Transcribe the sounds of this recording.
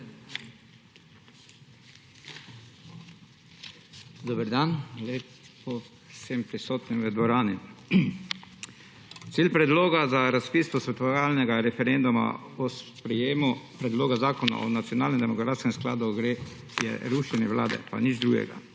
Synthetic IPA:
d̪ɔbəɾd̪anle | pɔ | sempɾisoːt̪nimʋəd̪ʋɔɾaːni | t̪siːlʲpɾɛd̪loːɡazaɾaspiːst̪ɔsʋɛt̪ɔʋaːlnɛɡaɾɛfɛɾend̪uma̰ɔspɾɛjeːmupɾɛd̪loːɡazaːkɔna̰ʔɔ̰nat̪sjɔnalnɛmnd̪ɛmɔkɾaːt̪skɛmskla̰ːd̪uɡɾe | jɛ̰ɾuʃɛnɛʋla̰ːd̪ɛ̰pa̰nid͡ʒd̪ɾuːɡjɛ̰ɡa̰

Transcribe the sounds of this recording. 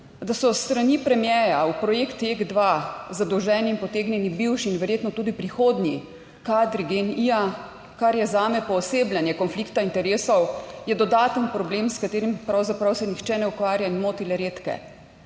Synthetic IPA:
d̪asɔst̪ɾanipɾɛmjɛːjaupɾɔjekt̪eɡd̪ʋazad̪ɔwʒɛːniːnpɔt̪eːɡnʲjɛnibiwʃinʋɛɾjeːt̪nɔt̪uːd̪ipɾixoːd̪ni | kaːd̪ɾiɡenia | kaɾjɛzaːmɛpɔːseːblʲjanjɛkɔnflikt̪aint̪ɛɾeːsɔwjɛd̪ɔd̪aːt̪ənpɾɔblemskat̪eːɾimpɾawzapɾawsɛnixt͡ʃɛnɛukʋaːɾjainmoːt̪ilɛɾeːt̪kɛ̰

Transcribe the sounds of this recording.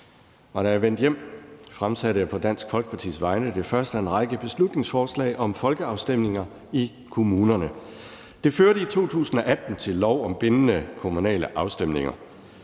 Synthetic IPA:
ɒɾ̥ɑæɐʋen̰d̥jem̰fʁamsæɾəjæpʰɒ̽d̥æn̰sɡ̥fɒ̽lɡ̥ə̥pʰɑ̈t͡sʰḭːsʋɑ̈ɪnəd̥e̝fɶɐsd̥əenʁɑ̈ɪɡ̥əb̥e̝slud̥ne̝ŋsfɒːslɛ̰ːɪʔɒ̽mfɒ̽lɡ̥əɑ̈ʊsd̥em̰ne̝ŋɐ | i | kʰo̝muːnɐnə | d̥e̝føɐɾəit͡sʰo̝̰ːt͡sʰṵːsn̩ɒ̽ʔæd̥n̩t͡sʰe̝lːɒʊɒ̽mb̥e̝nənəkʰo̝munɛ̰ːləʔɑ̈ʊsd̥em̰ne̝ŋɐ̰

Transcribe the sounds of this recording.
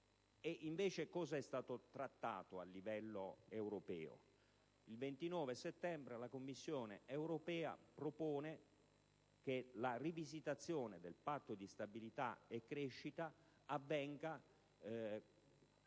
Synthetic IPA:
eʔiɱveːt͡ʃekɔːzaɛst̪aːt̪ot̪ɾat̪ːa̰ːt̪oalːivɛlːoewɾopɛ̰ːo̰ | ilvent̪inɔːveset̪ːɛmbɾelakomːisːjoːneewɾopɛːa̰pɾopoːne | k̟elarivizit̪at̪sːjoːned̪elpat̪ːod̪ist̪abilit̪a̰ekːɾeʃːit̪a | avːɛŋɡa

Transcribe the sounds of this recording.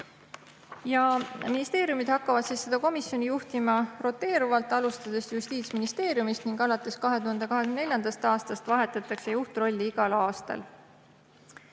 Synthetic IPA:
jɑminist̪e̞ːɾjumid̪̥hɑkːɑvɑd̪̥siːsːe̞d̪̥ɑko̞misjo̞nijuht̪imɑro̞t̪ːˑe̞ːɾuvɑlt̪ːˑɑlust̪ɑd̪̥e̞sjust̪iːt̪sminist̪e̞ːɾjumist̪niŋɡɑlɑt̪ːˑe̞skɑɦe̞d̪uhɑnd̪̥e̞kɑɦe̥ynd̪enelʲjɑnd̪ɑst̪ɑːst̪ɑst̪vɑɦe̞t̪ːˑɑt̪ːˑɑkse̞juht̪ro̞lʲːiiɡ̥ɑlɑːst̪ɑ̰l

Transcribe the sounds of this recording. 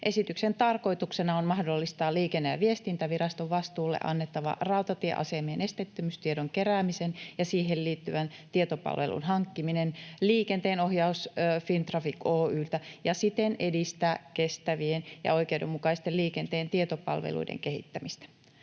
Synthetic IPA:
ʔe̞sit̪yksent̪ɑrko̞it̪uksenɑonmɑhdo̞lːist̪ɑːliːkenːæjæ̰ʋiest̪int̪æʋirɑst̪oʋʋɑst̪uːlːḛʔɑ̰nːet̪ːɑʋɑ̰ʔrɑwt̪ɑt̪iḛʔɑ̰semeːnʔe̞st̪et̪ːymyst̪iedoŋkeræːmisenjɑsiːɦelliːt̪ːyʋænt̪iet̪opɑ̰lʋḛlṵnɦɑŋkːiminenliːkent̪eːno̞hjɑusːfint̪rɑfikoːyːlt̪æjɑsit̪enedist̪æːkest̪æʋienjɑ̰o̞jkewdemːukɑist̪elliːkent̪eːnt̪iet̪opɑ̰lʋḛlṵidḛŋkehḭt̪ːæmist̪æ̥

